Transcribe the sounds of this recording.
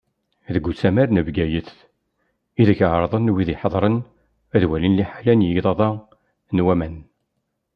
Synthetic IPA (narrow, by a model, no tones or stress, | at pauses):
ðəɡʷːut͡sːæmæɾnəvɡæjəθ | iðəçʕɾˤðˤənwiðiħəðˤɾˤən | æðwælinliħalænjəðˤɑðˤɑ | nwæmæn